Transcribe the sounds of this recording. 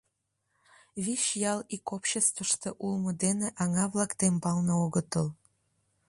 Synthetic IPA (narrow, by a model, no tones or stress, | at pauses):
βiʃjɑlikopɕest̪vəʃt̪eʔulmod̪eneʔɑŋɑβlɑkt̪embɑlnooɣət̪əl